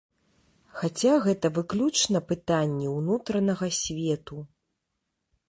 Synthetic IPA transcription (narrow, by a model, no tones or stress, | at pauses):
xat͡sʲaɣɛt̪ɐvɨklʲut͡ʂnɐpɨt̪anʲːɛwnut̪ɾɐnɐɣɐsʲvʲɛt̪u